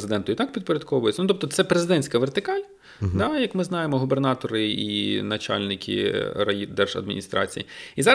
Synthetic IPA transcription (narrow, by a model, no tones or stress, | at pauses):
zɪd̪ɛnt̪ʊit̪ɑk̚pʲid̪poɾʲɐd̪kʰɔʋʊjɪt͡sʲɐnut̪ɔpt̪ɔt̪sɛpɾezɪd̪ɛnʲsʲkɐʋert̪ɪkɑlʲ | d̪ɑjɐkmɪznɑjemɔɦubernɑt̪ɔɾɪḭnɐt͡ʃɑ̰lʲnɪkʲʰḭɾɐid̪ɛrʒɐ̰d̪mʲḭnʲist̪ɾɑ̰t͡sʲijḭizɑɾ